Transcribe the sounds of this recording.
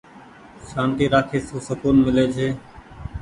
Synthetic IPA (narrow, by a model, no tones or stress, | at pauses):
ʃaːnt̪iːɾaːkʰeːsuːsəkuːnmɪleːd͡ʒʰʱeː